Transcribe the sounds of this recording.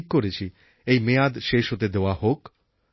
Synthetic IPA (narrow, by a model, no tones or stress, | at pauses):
kkːoɾet͡ʃʰi | ejmead̪ʃeʃot̪ed̪ewahok